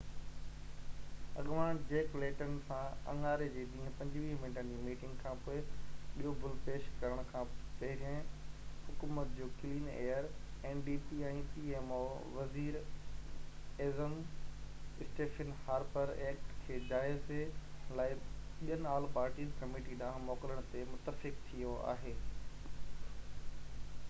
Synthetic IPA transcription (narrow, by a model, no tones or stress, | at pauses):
ɐ̰ɠʋaːɳd͡ʑeːkleːʈənsãɐ̰ŋaːɾed͡ʑeːd̪ĩːɦə̃pɐ̃ɲd͡ʑʋĩːmɪnʈənɪd͡ʑiːmiːʈɪ̃ŋɡkʰãːpoːɪɓijobʱʊlpeːʃkɐɾəɽ̃kʰãːpɐɦɪɾiə̃hʊkuːmət̪̚d͡ʑoːkliːnḛːəɾẽːnɖiːpiaːipiːeːmoːʋɐziːɾ | eːzəm | ɪsʈeːfʰənhaːɾpəɾeːkʈkʰeːd͡ʑaːɪzelaːɪɓijənaːlpaːɾʈiːnkɐmeːʈiɗãːɦmɔːkɪləɽ̃t̪emʊt̪ːəfɪkt̪ʰijoa̰ːɦeː